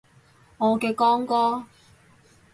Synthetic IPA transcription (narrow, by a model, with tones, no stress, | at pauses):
ŋɔː˨˧kɛː˧kɔː˥ŋkɔː˥